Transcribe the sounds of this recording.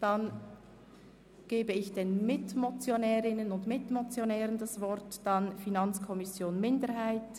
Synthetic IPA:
d̥an | ɡ̥eːbəɪçd̥eːnmɪtmot͡sjonɛːʁɪnənʊndmɪtmot͡sjonɛːʁəndasvɔɾtd̥anfinɑnt͡skʰɔmɪsjoːnmɪndəɾɦaɪt

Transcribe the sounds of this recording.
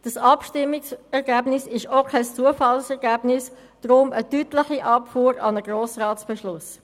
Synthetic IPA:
d̥ɑsɑpʃtɪmːɪksɛʁɡæːb̥nɪsɪʃokʰɛst͡suəfɑlsɛʁɡæːbnɪs | d̥ɾʊmətytlɪχiʔɑpfuːɾɑnəɡ̥ɾoːsʁɑːtsb̥ɛʃlʊs

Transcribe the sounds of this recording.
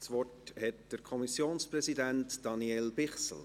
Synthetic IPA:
sʋɔrthɛtd̥əɾkʰɔmisjoːnspɾɛsidæntd̥ɑniɛlbɪχsl̩

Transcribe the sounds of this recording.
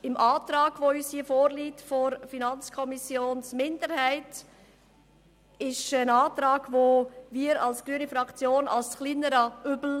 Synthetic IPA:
ɪmʔɑːt̪ɾɑːɡ̥voyːshiːəfoːɾliːtfoɾfinɑnt͡skʰɔmisjoːnsmɪndəɾhæɪt | ɪʃənɑːtɾɑːɡ̥voviːəɾɑlsɡ̥ɾyənifɾɑkt͡sjoːnɑ̰lsχliːnəɾɑybl̩

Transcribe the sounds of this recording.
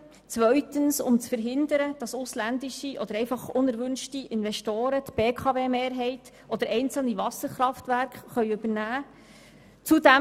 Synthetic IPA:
t͡svʋœʏtənsʊmt͡sfəɾɦɪnd̪əɾəd̥ɑsʊslænd̪iʃiʔɔd̥̪əɾɛɪfɑχʊnɛɾʋʏnʃtiʔɪnʋɛʃtoːɾətb̥eːkʰɑveːmeːɾɦɛɪt | ɔd̥̪əɾɛɪnt͡sl̩nivɑsəɾχɾɑftʋæɾkχːœʏʉb̥əɾnæː | t͡sudæ

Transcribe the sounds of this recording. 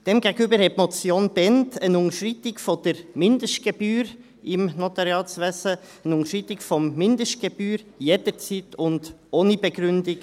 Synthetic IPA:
d̥ɛmɡɛɡəybəɾhɛtmɔt͡sjoːnb̥ɛntʰənʊŋəʃritɪkfɔd̥əɾmɪndəʃtɡ̥eb̥yːɾ | ɪmnotɑɾjɑːlt͡sʋɛsə | ənʊŋəʃʁitɪkfɔmːɪndəʃt̚ɡ̥eb̥yːɾjedəɾt͡siːtʊnd̥oːnibɛɡɾʉndɪk

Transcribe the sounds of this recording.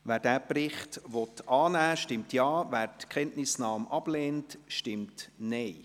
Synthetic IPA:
ʋæːɾdæːprɪχtʋɔtɑːnæːʃtɪmtjɑːvæːɾtkχɛntnɪsnɑːmʔɑb̥leːntʃtɪmtnɛɪ

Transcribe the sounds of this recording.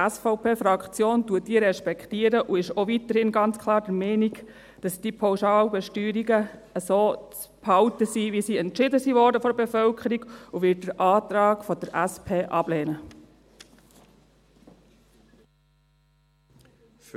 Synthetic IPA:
æsfɔʊpeːfɾɑkχt͡sjoːntuət̚d̥iːəɾɛʃpɛkχtiəɾəʔuɪʃɔʋit̪əɾhɪnɡɑnt͡skʰlɑːɾdəmɛːniɡ | d̥ɑsd̥ipʰɑwʃɑːlbɛʃtyːɾiɡəəsoːt͡s | phɑwtəsiʋisiːɛntt͡ʃɪdəsiʋɔːɾdəfɔɾbefœlkʰəɾiɡ̥uʋɪt̚d̥əɾʔɑːt̪ɾɑːɡfɔd̪əɾʔæspʰeːʔɑb̥lɛːnə

